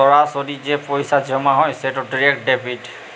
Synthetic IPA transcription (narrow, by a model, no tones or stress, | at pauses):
ɔɹasodizɛpojsad͡ʒɔmaɦɔjsɛtɔdiɹɛk̚dɛpʰit